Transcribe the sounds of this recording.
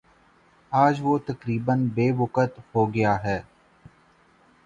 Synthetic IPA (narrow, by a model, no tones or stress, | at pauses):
aːd͡ʒʋoːt̪ɐkɾiːbənbeːʋʊkət̪hoːɡɪjaːɦɛː